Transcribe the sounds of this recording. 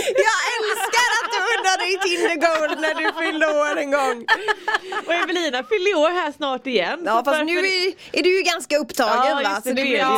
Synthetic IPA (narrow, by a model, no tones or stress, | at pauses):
jɑːɡɛlskaɾat̪̚d̪ɵʊnːadɛjt̪ʰɪld̪əɡoʊld̪næɖɵfʏld̪əoːɾɛŋɡɔŋː | ʔɔɛvɛliːnafʏld̪əoːɾɦæʂnɑːʈɪjɛnːɑːfasnʉ̟ːɛɾj | æɖʉjʉɡanskaɵpːt̪ʰɑːɡənvasɔd̪ɛ